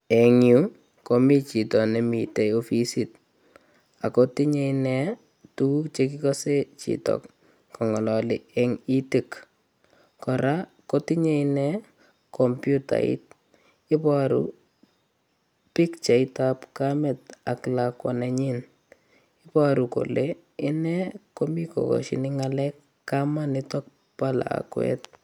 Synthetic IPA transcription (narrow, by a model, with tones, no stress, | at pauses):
ɛ˨ŋju˦ | ko˨mi˦t͡ʃi˨tɔ˨nɛ˨mi˨te˨jo˦fi˦sit̚ | a˨koti˦ɲe˦inɛ˦ | tu˦u˦t͡ʃe˦k̬i˦kɔ˦se˦t͡ʃḭ˨tɔ̰kː | ɔ˨ŋɔ˨lɔ˨lɪɛ˦ŋi˦ti˨k | kɔ˨ɾa˦ | ko˦ti˦ɲe˦nɛ˦ | kɔ˨mpju˦ta̰˨ḭ˦t̚ | i˦paɾṵ˦ | pi˦kt͡ʃe˨itapkamɛ˨ta˨klakwɔ˨nɛ˨ɲi˦n | ɪ˦pa˦ɾu˨ko̰˨le˦ | i˦nɛ˦ko˦mi˦ko̰˨ko̰˨ʃḭ˨ni˦ŋalɛ˦kː | a˦ma˦nɪtɔ˦k̚ | pa˦la̰˨a̰kwɛ̰˦t